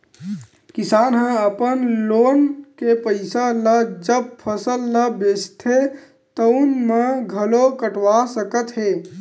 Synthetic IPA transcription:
kisanɦə̃əpənlonkepəɪsaləd͡ʒəb̚pʰəsəlːəbest̪ʰe | t̪əʊnmeɡʱəlokəʈʋasəkət̪ɦe

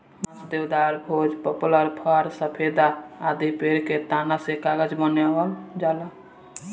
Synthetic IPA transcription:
md̪ewd̪aɾbʱod͡ʒpəpuləɾpʰəɾsəpʰed̪aːd̪ipeɾket̪anasekaɡəd͡ʒbəneɦəld͡ʒalə

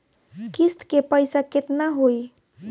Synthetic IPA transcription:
kist̪kepəjsaket̪naɦoj

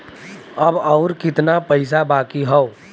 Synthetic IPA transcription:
əbɔʊɾkɪt̪napəɪs̬abaːkiɦɔo

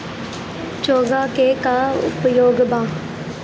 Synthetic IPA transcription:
t͡ʃoːɡaːkeːkaʊ̰pjoːɡbaː

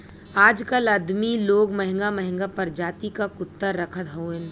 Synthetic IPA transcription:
aːd͡ʒkəlɐd̪miloːɡmɐɦɪ̃ŋɡamɐɦɪ̃ŋɡapɐɾd͡ʒaːt̪ikakʊt̪ːəɾːɐkʰət̪ɦoːẽ

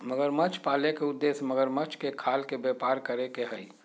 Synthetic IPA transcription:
məɡəɾmət͡ʃʰpaːlekeʊd̪ːeːsməɡəɾmət͡ʃʰkekʰaːlkebepaːɾkəɾekeɦəi

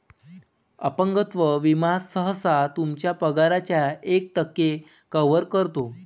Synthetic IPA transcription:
əpəŋɡət̪ʋəʋimasəɦəsat̪umt͡ɕjapəɡaɾat͡ɕjaek̚ʈ̪əkːe | kəʋəɾkəɾt̪o

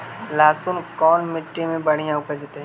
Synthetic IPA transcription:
laːsʊnkɔːnmɪʈːimẽbɐɽ̤ijãʊkəd͡ʒet̪eɦɛ̃

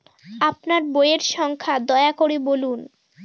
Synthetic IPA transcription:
apnaɾbojeɾʃɔŋkʰad̪ɔeakoɾebolun

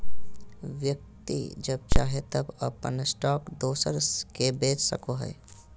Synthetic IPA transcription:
ʋjək̚t̪ḭd͡ʒɐb̚t͡ʃaːɦet̪əbɐ̰pə̰nsʈɔːkd̪oːsəɾkebeːt͡ʃsə̰koɦɛ̰ː

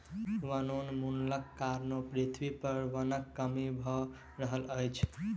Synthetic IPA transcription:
ʋənonmunləkːaɾnopɾit̪ʰʋipəɾʋənəkːəmibʱɔ | ɾəɦələjt͡ʃʰ

